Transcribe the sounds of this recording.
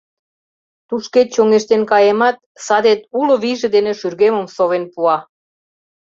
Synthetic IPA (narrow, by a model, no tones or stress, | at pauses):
t̪uʃket̪̚t͡ɕoŋeʃt̪enkɑjemɑt̪̚sɑd̪et̪ulŏβiʒĕd̪eneʃyrɣemə̆msoβenpuɑ